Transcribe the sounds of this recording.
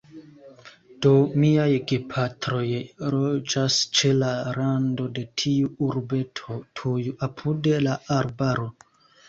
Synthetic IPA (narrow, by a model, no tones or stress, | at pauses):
d̥o̞miajɡepʰatɾo̞jɾod͡ʒast͡ʃe̞laɾando̞de̞tʰiuuɾbe̞tʰotʰujuapʰudelaʔaɾbaɾo̞